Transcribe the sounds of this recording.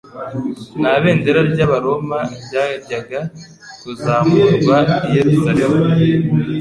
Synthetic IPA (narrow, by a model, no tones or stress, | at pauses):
naβe̞ːndeɾaɾɟaβaɾo̞maɟaɾɟaɡa | tuzaːmuβaijeɾusaɾemu